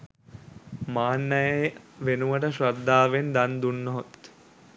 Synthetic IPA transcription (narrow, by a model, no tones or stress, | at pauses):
maːnːɐjeʋenuʋəʈəʃɾad̪ːaːʋend̪and̪unːoɦot̪